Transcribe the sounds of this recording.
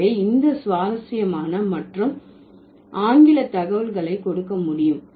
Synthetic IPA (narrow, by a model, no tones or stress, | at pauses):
ɐɪɪnd̪ɐsʋaːɾɐsɪjɐmaːnɐmɐʈrɯm | ʔaːŋɡɪlɐt̪ːɐɣɐʋɐlɣɐɭɐɪkɔɽɯkːɐmʊɽɪjɯm